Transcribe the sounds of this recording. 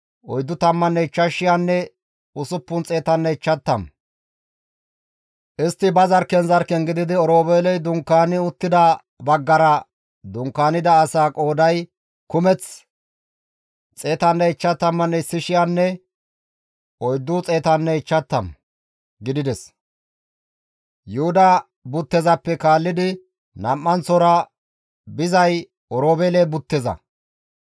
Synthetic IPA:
ʔɔjd̪ːʊt̪ɐmːɐnːɛɪt͡ʃːɐʃːɪjanːɛ | ʊsʊpːʊnt͡sʼe̞ːt̪ɐnːɛɪt͡ʃːɐt̪ːɐm | ʔɪst̪ːɪbɐzɐɾkɛnzɐɾkɛŋɡɪd̪ɪd̪ɪɔɾoːbeːlɛjd̪ʊŋkːaːnɪʊt̪ːɪd̪ɐ | bɐɡːɐɾɐ | d̪ʊŋkːaːnɪd̪ɐːsaːkʼo̞ːd̪ɐj | kʊmɛt͡s | t͡sʼeːt̪ɐnːɛɪt͡ʃːɐt̪ːɐmːɐnːɛɪsːɪʃɪjanːɛ | ɔjd̪ːʊt͡sʼe̞ːt̪ɐnːɛɪt͡ʃːɐt̪ːɐm | ɡɪd̪ɪd̪ɛs | jʊhʊd̪ɐ | bʊt̪ːɛzɐpːɛkaːlːɪd̪ɪ | nɐmːɐnsɔɾɐ | bɪzɐj | ɔɾoːbeːlɛbʊt̪ːɛzɐ̰

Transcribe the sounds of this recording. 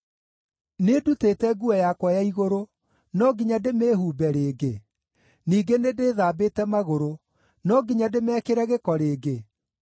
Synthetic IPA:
nedutetɛɡuɛjakwajaiɣoɾo | nɔɡiɲademeːhuːbɛɾeːɡe | niːɡenedeːðaːbeːtɛmaɣoɾo | nɔɡiɲademɛːkeɾɛɣekɔɾeːɡe

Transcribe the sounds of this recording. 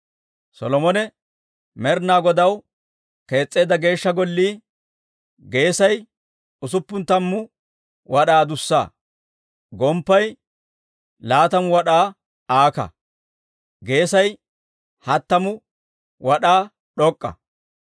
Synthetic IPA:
sɔ̰lɔmɔnɛ | mɛɾnaːɡɔd̪ɐw | ke̞ːt͡sʼːe̞ːd̪ɐɡe̞ːʃːɐɡɔlːiː | ɡe̞ːsɐj | ʊsʊpːʊnt̪ɐmːʊ | wɐɗaːd̪ʊsːa̰ː | ɡɔmpːɐj | laːt̪ɐmʊwɐɗaː | aːkɐ̰ | ɡe̞ːsɐj | hɐt̪ːɐmʊ | wɐɗaː | ɗɔkʼːɐ̰

